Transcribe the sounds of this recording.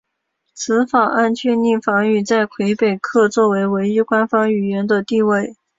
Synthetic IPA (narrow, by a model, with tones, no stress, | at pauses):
t͡sʰɹ̩˧˥fɑ˨˩ŋa˥˧nt͡ɕʰɥɛ˥˧nni˥˩fɑ˧˥ŋy˨˩t͡sa˥˩ɪkʰwe˧˥ɪpe˨˩ɪkʰɤ˥˧t͡swɔ˥˩we˧˥ɪwe˧˥ɪi˥kwa˥nfɑ˥ŋy˨˩ɥɛ˧˥nd̪ə˧t̪i˥˧we˥˩ɪ